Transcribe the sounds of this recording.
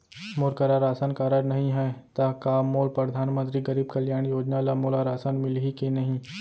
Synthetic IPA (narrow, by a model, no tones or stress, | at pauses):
moːɾkəɾaɾaːsənkaːɾəɾnɐɦĩɦɛt̪ɐkaːmoːlpɾɐd̪ʱaːnmə̃nt̪ɾiɡɐɾiːb̚kɐljaːɽ̃joːd͡ʒnaːlɐmoːlaɾaːsənmɪlɦikenɐɦĩ